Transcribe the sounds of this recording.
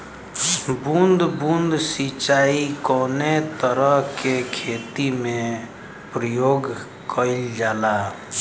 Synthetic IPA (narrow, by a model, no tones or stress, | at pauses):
bund̪ʱbund̪sit͡ʃaːikɔːnet̪əɾəɦkekʰeːt̪imẽ | pɾəjoːɡ | kəɪld͡ʒaːla